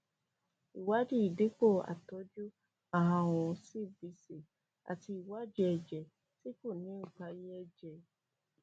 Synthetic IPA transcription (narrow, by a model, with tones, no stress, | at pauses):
i˨wa˦di˦i˨de˨˦k͡po˦˨a̰˨tɔ˨˦d͡ʒu˦ | a˨ɦã˧w̃ɔ̃˧si˦˨bi˨˧˦si˨ | a̰˨ti˧i˨wa˦d͡ʒɛ˦ɛ˧˨d͡ʒɛ˨ | ti˦ko˦˨nĩ˨˦u˦˨k͡pa˧jɛ˦ɛ˦d͡ʒɛ˨